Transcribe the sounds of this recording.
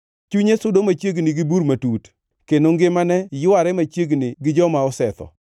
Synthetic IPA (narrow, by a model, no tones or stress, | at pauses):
t͡ʃuɲesʊdomat͡ʃjeɡnɪɡɪbuɾmatut | kenoŋɡɪmanɛjʊaɾɛmat͡ʃjeɡnɪɡɪd͡ʒɔmaɔsɛt̪ɔ̰